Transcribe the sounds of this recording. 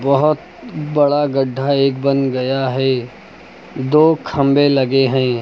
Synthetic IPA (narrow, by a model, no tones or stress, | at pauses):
bɐɦʊt̪ | bɐɽaɡəɖʱːaeːkbənɡɐjaɦɛː | d̪oːkʰɐ̃mbelɐɡeɦɛ̃ː